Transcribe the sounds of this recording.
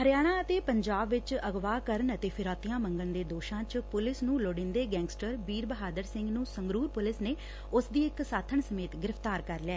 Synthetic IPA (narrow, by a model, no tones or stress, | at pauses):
həɾjaːɽ̃aːət̪eːpəɲd͡ʒaːbʋɪt͡ʃəɡʋaːkəɾəɳət̪eːpʰɪɾaːt̪ijãːmə̃ŋɡəɳd̪eːd̪oːʃãːt͡ʃpʊlɪsnũːloːɽɪ̃nd̪eːɡɛ̃ːŋɡsʈəɾbiːɾbəɦaːd̪əɾsɪ̃ŋɡnũːsəŋɡɾuːɾpʊlɪsneː | ʊsd̪iːɪksaːt̪ʰəɳsəmeːt̪ɡɪɾəfʰt̪aːɾkəɾlɪɛː